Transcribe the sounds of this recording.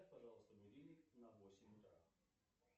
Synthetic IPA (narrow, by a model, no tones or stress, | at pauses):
at̪ʲpɐʐalˠəst̪əmʲɪɾʲilʲɪnɐvosʲɪmʲʊt̪ɾa̰